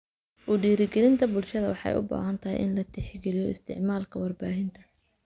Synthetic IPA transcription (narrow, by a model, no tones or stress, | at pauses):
ʔʊɖiːɾɪɡɛlɪnt̪ʰɐbʊlʃɐðɐwɑħɑ̰jʔʊ̰ba̰ːɦɐnt̪ʰɐɦɪ̰jʔɪ̰nlɐt̪ʰɪħɪɡɛlɪjɔɪst̪ʰɪ̰ʕmaːlkʰɐwɐrbaːɦɪnt̪ʰɐ